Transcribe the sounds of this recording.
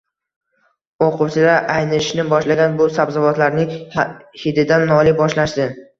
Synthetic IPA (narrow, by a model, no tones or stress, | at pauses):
oqʰʊwt͡ʃʰɪlaʔajnɪʃnɪbɒʃlaɡʲanbʊsabzavɒt̪laɾnɪŋhɪd̪ɪd̪anːɒlˠɪbɒʃlaʃd̪ɪ